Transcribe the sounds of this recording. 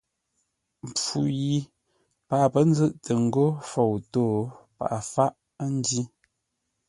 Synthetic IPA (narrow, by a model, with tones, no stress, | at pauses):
m˨p͡fu˨ji˨ | pa˨ʔpə˦n˦d͡zə˦ʔtʰə˨ŋ̩˨ɡo˦fo˨wtoː˦˨pa̰˨ʔa˨fa˦ʔ | n˦di˦